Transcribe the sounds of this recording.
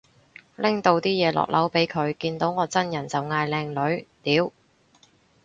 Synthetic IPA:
lɪ˥ŋt̪o˧wt̪iː˥jɛː˨˧lʔɔ̰ː˨k̚lʔɐ˨˥wpe˨˥jkʰɵ˨˧ɥkiː˧nt̪o˨˥wŋɔː˨˧t͡sɐ˥njɐ˨˩nt͡sɐ˨wŋaː˧jlɛː˧ŋlɵ˨˥ɥt̪iː˨˧w

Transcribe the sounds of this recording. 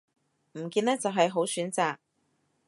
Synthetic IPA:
m̩˨˩kiː˧nːɛː˥t͡sɐ˨wɦɐ˨jɦo˨˥wsyː˨˥nt͡saː˨k̚

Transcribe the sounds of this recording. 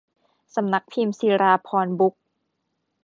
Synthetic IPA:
sa˨˦mna˦˥k̚pʰi˧msiː˧ɾaː˧pʰɔː˧nbu˦˥k̚

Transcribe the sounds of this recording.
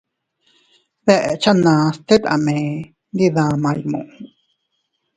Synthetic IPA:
ðɛ˨ʔɛ̰˨t͡ʃa˦nã˨st̪e˦t̪a̰˨mẽ˨ | nd̪i˧ðãː˨mã˧jmṵ̃˨ʔ

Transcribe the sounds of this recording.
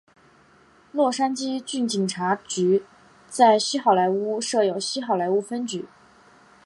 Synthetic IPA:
lwɔ˥˩ʂa˥nt͡ɕi˥t͡ɕy˥˩nt͡ɕi˨˩ŋʈ͡ʂʰa˧˥t͡ɕy˧˥ | t͡sa˥˧ɪɕi˥xɑ˥˩ʊla˧˥ɪu˥ʂɤ˥˩jo˨˩ʊɕi˥xɑ˥˩ʊla˧˥ɪu˥fə˥nt͡ɕy˧˩˥

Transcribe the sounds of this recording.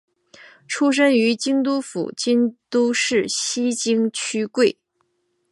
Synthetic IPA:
ʈ͡ʂʰu˥ʂ̬ə˥ŋy˧˥t͡ɕi˥ŋt̪u˥fṵ˨˩t͡ɕi˥ŋt̪u˥ʂɻ̩˥˩ɕi˥t͡ɕi˥ŋt͡ɕʰy˥kwe˥˩ɪ

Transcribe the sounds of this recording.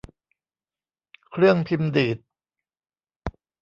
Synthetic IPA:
kʰɾɯ˥˩əŋpʰi˧md̪iː˨˩t̪̚

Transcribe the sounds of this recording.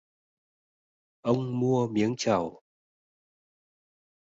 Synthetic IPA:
ʔə˧wŋ͡mmu˧əmi˨˦ənt͡ɕa˧˩w

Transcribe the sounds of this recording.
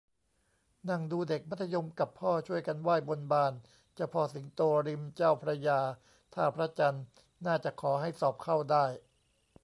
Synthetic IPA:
na˧˩ŋduː˧de˨˩k̚ma˦˥t̪ʰːa˧jo˧mka˨˩pʰːɔː˥˩t͡ɕʰu˥˩əjka˧nwaː˥˩jbo˧nbaː˧˩n | t͡ɕa˨˧˩pʰɔː˧si˩˦ŋt̪oː˧ɾi˧mt͡ɕaː˥˩wpʰɾa˧jaː˧ | t̪ʰaː˥˩pʰɾa˦˥t͡ɕa˧nː | aː˥˩t͡ɕa˨˩kʰɔː˩˦ɦa˥˩jsɔː˨˩p̚kʰa˥˩wdaː˥˩j

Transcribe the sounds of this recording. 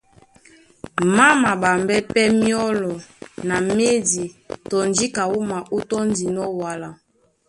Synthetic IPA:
ma˦ma˨ba˨mbɛ˦pɛ˦mi˦ɔ˦lɔ˨na˨me˦di˨tɔ˨nd͡ʒi˦ka˨wu˦ma˨ʔu˦tɔ˦n˦di˨nɔ˦wa˨la˨

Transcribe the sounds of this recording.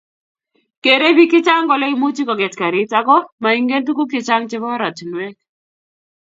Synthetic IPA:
ke˨ɾe˦bi˦kɪ˦t͡ʃa˦ŋɡɔ˨lɛ˦i˦mu˦t͡ʃi˦kɔ˨ɡɛ˨tka˨ɾɪ˦t͡ʃa˦kɔ˦ma˨iŋɡe˦nt̪u˦ku˦kɪ˨t͡ʃa˦ŋt͡ʃɪ˦βɔ˦ɾa˨t͡ʃnwɛ˦k̚

